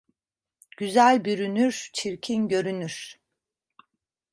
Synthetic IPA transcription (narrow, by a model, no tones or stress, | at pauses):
ɟ̥yzælʲbyɾynyɾt͡ʃʰiɾcʰinɟø̞ɾynyɾ̥